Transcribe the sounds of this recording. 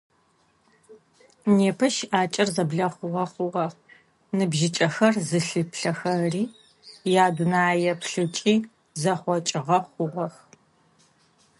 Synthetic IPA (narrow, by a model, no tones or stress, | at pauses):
neːpʰɐʃaːt͡ʃʼɐrzɐbɮɐχʷʊʁɐχʷʊʁɐ | nɨbʒɪt͡ʃʼɐxɐrzɨɬɨpɬɐxɐriː | jaːdʊnaːjɛpʰɬɨt͡ʃʼiː | zɐχʷɔt͡ʃʼɪʁɐχʷʊʁɐx